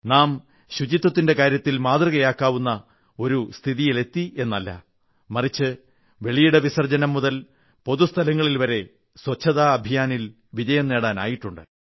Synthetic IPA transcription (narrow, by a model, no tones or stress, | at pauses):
naːm | ɕud͡ʑit̪ːɐt̪ːinde̞kaːɾjɐt̪ːilmaːd̪rɐɣɐjaːkːaːʋunːɐ | o̞ɾust̪ʰiðijile̞t̪ːie̞nːɐlːɐ̰ | mɐrit͡ɕːɨ | ʋe̞ɭijuɽeʋisɐrd͡ʑɐnɐmːuðɐl | po̞ðust̪ʰɐlɐŋːɐɭilʋɐɾe̞ | swɐt͡ɕʰːɐðaːɐbʱijaːnil | ʋid͡ʑɐjɐmne̞ːɽaːna̰ːjiʈːuɳɖɨ̰